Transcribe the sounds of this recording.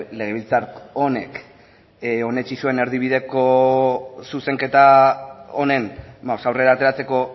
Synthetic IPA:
le̞ɣeilt͡saɾkone̞k | o̞ne̞t͡ʃisue̞ne̞ɾðiβ̞iðe̞ko̞ | suse̞ŋke̞t̪a | one̞nbaosawre̞ɾaːt̪e̞ɾat͡se̞ko̞

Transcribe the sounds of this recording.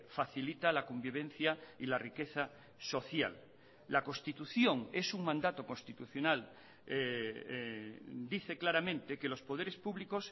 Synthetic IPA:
faθilit̪alakombiβ̞en̟θjailarike̞θa | so̞θja̰lː | ako̞nst̪it̪uθjo̞ŋe̞suŋmãnd̪at̪o̞ko̞nst̪it̪uθjonal | d̪iθe̞klaɾamẽ̞nt̪eke̞lo̞spo̞ð̞eɾe̞spuβlikos

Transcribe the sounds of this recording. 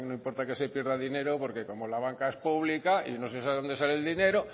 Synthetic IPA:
nõimpoɾt̪akesepjeɾðaðineɾopoɾkekomolaβ̞aŋkaespuβlikaḭnosesaβðod̪es̬aleld̪ineɾo

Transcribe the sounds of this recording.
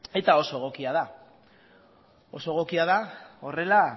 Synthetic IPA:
e̞t̪ao̞so̞eɣ̞o̞kiað̞a | o̞so̞eɣo̞kiaðao̞re̞la

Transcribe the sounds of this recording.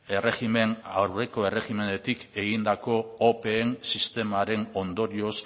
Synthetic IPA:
e̞re̞xime̞na̰wre̞ko̞e̞re̞ɣime̞ne̞t̪ike̞ɣind̪ako̞ːpe̞ːnsist̪e̞maɾe̞no̞nd̪o̞ɾio̞s

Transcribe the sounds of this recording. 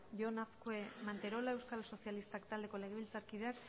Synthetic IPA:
ʝonafkoemant̪e̞ɾo̞lae̞wskalso̞sialist̪akt̪ald̪e̞ko̞le̞ɣ̞e̞βilt͡saɾkiðeak

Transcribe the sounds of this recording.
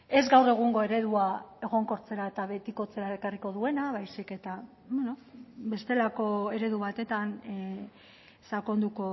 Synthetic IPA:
e̞zɡawre̞ɣ̞uŋɡo̞e̞ɾe̞ðuae̞ɣo̞ŋko̞ɾt͡se̞ɾae̞t̪aβe̞t̪iko̞t͡se̞ɾaekariko̞ðue̞naβajsike̞t̪a | bweno̞be̞st̪e̞lako̞e̞ɾe̞ðuβ̞at̪e̞t̪an | sako̞nd̪uko̞

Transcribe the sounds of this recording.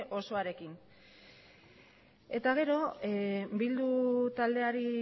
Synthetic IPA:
ʔo̞so̞aɾe̞kin | e̞t̪aɣ̞e̞ɾo̞ebild̪ut̪ald̪e̞aɾi

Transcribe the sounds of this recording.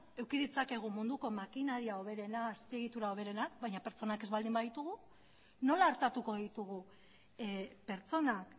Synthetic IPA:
e̞wkiðit͡sake̞ɣ̞umund̪uko̞makinaɾiao̞β̞e̞ɾe̞naːspie̞ɣ̞it̪uɾao̞βe̞ɾe̞nak̚bajɲape̞ɾt͡so̞nake̞zβald̪imbaðit̪uɣ̞u | no̞laːɾt̪at̪uko̞ðit̪uɣ̞u | pe̞ɾt͡so̞nak

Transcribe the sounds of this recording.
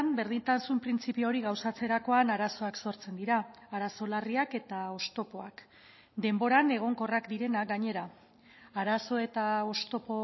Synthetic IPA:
mbe̞ɾð̞int̪ansumpɾint͡sipio̞ɾiɣawsat͡se̞ɾako̞anaɾaso̞akso̞ɾt͡se̞nd̪iɾaːɾaso̞lariake̞t̪ao̞st̪o̞po̞ak | d̪e̞mbo̞ɾane̞ɣ̞o̞ŋko̞rakd̪iɾe̞naɡaɲe̞ɾa | aɾaso̞e̞t̪ao̞st̪o̞po

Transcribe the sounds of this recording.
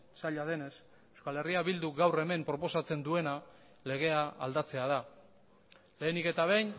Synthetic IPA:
saʎaðe̞ne̞s | ewskale̞riaβild̪uɡawre̞me̞mpɾo̞po̞sat͡se̞nd̪ue̞na | le̞ɣ̞e̞a̰ːld̪at͡se̞að̞a | le̞ːnike̞t̪aβ̞ejn

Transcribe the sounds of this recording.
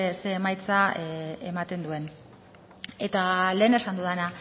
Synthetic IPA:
se̞ːmajt͡saemat̪e̞nd̪ue̞n | e̞t̪ale̞ːne̞sand̪uðena

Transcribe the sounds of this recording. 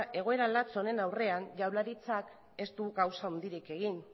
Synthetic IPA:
ʔe̞ɣ̞o̞e̞ɾalat͡so̞ne̞nawre̞anʎawlaɾit͡sak | e̞st̪uuɣawsao̞nd̪iɾike̞ɣ̞in

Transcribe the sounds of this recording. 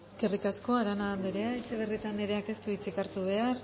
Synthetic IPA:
eke̞rikasko̞aɾanand̪eɾeaet͡ʃeβerit̪and̪eɾeake̞st̪uit͡sikaɾt̪uβ̞e̞ar

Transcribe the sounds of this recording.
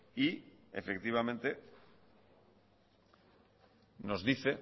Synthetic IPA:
iḛfek̚t̪iβ̞amẽ̞nt̪e̞ | no̞zðiθe̞

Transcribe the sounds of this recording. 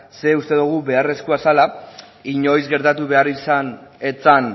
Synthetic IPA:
se̞ust̪e̞ðuɣ̞uβe̞are̞skuasala | iɲo̞jzɡe̞ɾt̪at̪uβe̞arisane̞t͡san

